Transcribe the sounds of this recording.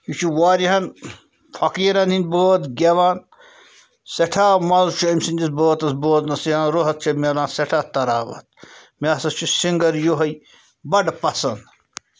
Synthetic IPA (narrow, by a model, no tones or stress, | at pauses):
jut͡ʃʰuwaːɾiɦɐn | fʰɐkiːɾɐnhinboːt̪ɡʲɐʋaːn | seʈʰaːmɐzuʃʰuimsinʲd͡ʒisboːt̪ɐsboːt̪nɐsiãːnɾoɦɐt̪̚t͡ʃʰɐmʲɐlaːnsɛʈʰaːt̪ɐɾaːʋɐ̰t̪̚mʲeɐsɐst͡ʃʰusiŋɡɐɾjoɦɐj | bɐɖpɐsɐnd̪